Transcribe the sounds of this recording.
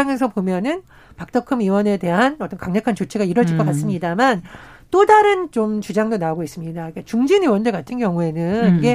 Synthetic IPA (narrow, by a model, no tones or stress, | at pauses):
aŋesʰʌpomjʌnɯn | pak̚t͈ʌkʰɯmiwʌne̞de̞ɦanʌt͈ʌnkaŋɲʌkʰant͡ɕot͡ɕʰiɡaiɾʌd͡ʑd͡ʑiɭk͈ʌk͈ats͈ɯmɲidaman | t͈odaɾɯnt͡ɕomt͡ɕud͡ʑaŋdonaoɡois͈ɯmɲidaik͈et͡ɕuŋd͡ʑiniwʌndekatʰɯnkjʌŋue̞nɯniɡe̞